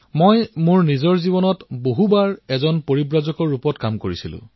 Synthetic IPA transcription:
mojmʊɹnizɔɹzibɔnɔtboɦubaɹɛzɔnpoɹibɹazɔkɔɹːupɔtkamkoɹisilʊ̰̃

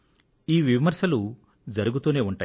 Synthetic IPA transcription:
iːʋimɐɾsɐlu | d͡ʒɐɾuɡut̪uːne̞ːuɳʈaː

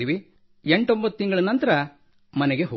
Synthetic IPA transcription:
iʋi | eɳʈo̞mbɐt̪ːiŋɡɐɭɐnɐnt̪ɐɾɐ | mɐneɡeɦo

